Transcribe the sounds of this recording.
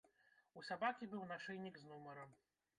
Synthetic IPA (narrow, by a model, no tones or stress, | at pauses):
usabakʲibɨwnaʂɛjnʲikznumɐɾɐm